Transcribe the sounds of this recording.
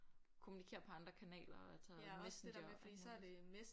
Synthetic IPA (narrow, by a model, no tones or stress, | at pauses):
kʰomunikʰe̝̰ːɐpʰɒ̽ɑ̈nd̥ʁɐkʰænɛ̰ːlɐɒælsɒmesn̩d̥ḭsɐde̝mes